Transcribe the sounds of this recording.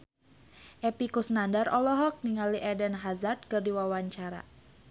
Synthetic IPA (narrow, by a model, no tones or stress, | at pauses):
ʔɛpikusnandarɔlɔɦɔk̚niŋaliʔɛdɛnɦazard̪̚kɨrdiwawaɲt͡ʃaɾa̰